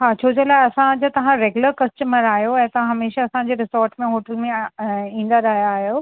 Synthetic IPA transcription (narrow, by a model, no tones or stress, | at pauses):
ɦaːt͡ɕʰoːd͡ʑolaːeɐsãd͡ʑɐt̪ɐʋ̤ãɾeːɡuləɾkɐsʈəməɾaːɦjoɛ̃ɦt̪ɐãɦɐmeːʃaɐsãɲd͡ʑeːɾɪsɔːɾʈmẽɦoːʈəlmẽĩːn̆d̪aɾɐɦijaːɦijoː